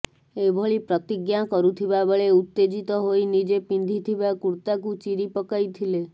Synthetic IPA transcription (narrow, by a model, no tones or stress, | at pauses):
ebʱoɭipɾɔt̪iɡjakɔɾut̪ʰibabeɭeut̪ːed͡ʒit̪ɔɦojnid͡ʒepind̪ʱit̪ʰibakuɾt̪ak̬ut͡ʃiɾipɔkajt̪ʰile